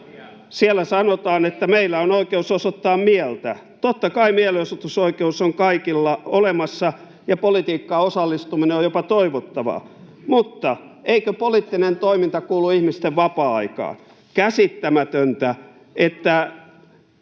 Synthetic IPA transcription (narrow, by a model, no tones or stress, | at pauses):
sielːˑæsɑnot̪ɑːnet̪ːæmeilːæonoikeusosot̪ːɑːmmielt̪æ | t̪ot̪ːɑkɑimieleosut̪usoikeusoŋkɑikilːɑolemɑsːɑ | jɑpolit̪iːkːɑosɑlːist̪umineojopɑt̪oiʋot̪ːɑʋɑ̰ | mut̪ːɑ | eikøpolit̪ːinent̪oimint̪ɑkuːluihmist̪eʋʋɑpɑːɑikɑ̰ːn | kæsit̪ːæmæt̪ønt̪æ | et̪ːæ